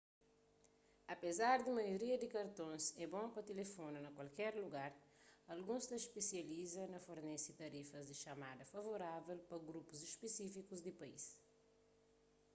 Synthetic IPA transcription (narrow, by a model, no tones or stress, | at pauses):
ɐpezaɾd̪imɐjoɾiɐd̪ikɐɾt̪õnsɛbõpɐt̪elefonɐnɐkwɐlkɛɾluɡaɾ | ɐlɡũst̪ɐʃpesjɐlizɐnɐfoɾnɛsit̪ɐɾifɐzd̪iʃɐmad̪ɐfɐvoɾavɛlpɐɡɾupuziʃpesifikuzd̪ipɐḭs